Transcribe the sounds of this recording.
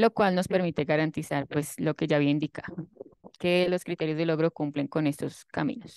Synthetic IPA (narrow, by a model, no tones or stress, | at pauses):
lo̞kwalno̞spe̞ɾmit̪e̞ɣaɾant̪isaɾpwe̞slo̞ke̞ʝaβiaind̪ikaðoke̞lo̞skɾit̪e̞ɾjozðe̞lo̞ɣɾo̞kumpleŋko̞ne̞st̪o̞skamḭ̃nos